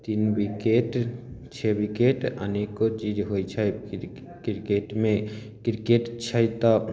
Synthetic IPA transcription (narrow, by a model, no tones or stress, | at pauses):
t̪inbikeʈt͡ʃʰebikeʈə̰nekot͡ʃid͡ʒɦojt͡ʃʰaj | kɾkeʈmẽ | kɾkeʈt͡ʃʰajt̪a